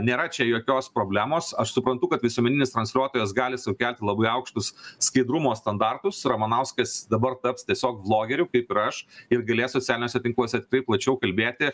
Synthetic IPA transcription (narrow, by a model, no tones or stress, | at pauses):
nʲeːɾɐt͡ʃʲɛjoːkʲoːspɾoːbʲlʲæːmoːsɐʃsʊpɾɐnt̪ʊkɐt̪ʋʲɪsuɔmʲɛnʲɪnʲest̪ɾɐnsʲlʲuɔt̪oːjɛsɡɑːlʲɪsʊkʲælʲt̪ʲlˠɐbɐɪɐʊkʃt̪ʊsskɐɪd̪ɾʊmoːst̪ɐnd̪ɑrt̪ʊsɾɐmɐnɐʊskɐsd̪ɐbɐrt̪ɐpst̪ʲiɛsʲoːk̚blˠoːɡʲɛɾʲʊkɐɪpɪɾɐʃɪrɡɐlʲeːsoːt͡sʲælʲɪnʲoːsʲɛt̪ʲɪŋklˠoːsʲɛt̪ʲɪ̥kɪrɐɪplˠɐt͡ʃʲɛʊkɐlʲbʲeːt̪ʲɪ